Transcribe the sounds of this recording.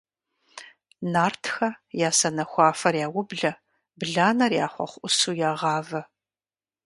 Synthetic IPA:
naːrtʰxɐjaːsɐnɐxʷɑːfɐrjaːwʊbɮɐ | bɮaːnɐrja̰ːχʷɔ̰χʷʔʊsuːjaːʁɑːvɐ

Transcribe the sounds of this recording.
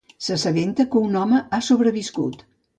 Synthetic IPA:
səsəβent̪əkəunɔməasoβɾəβiskṵt̪

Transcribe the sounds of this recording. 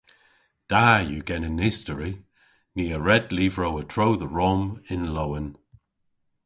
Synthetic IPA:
d̥ajuːɡɛnənɪstəɹi | niːəɹɛdliːvɹowətʰɹowðəɹɔmɪnlowən

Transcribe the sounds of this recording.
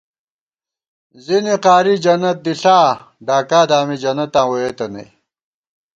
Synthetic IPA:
ziniqaːɾid͡ʑɐnɐt̪̚d̪iɬaː | ɖaːkaːd̪aːmid͡ʑɐnɐt̪ãːwojet̪ɐnḛ

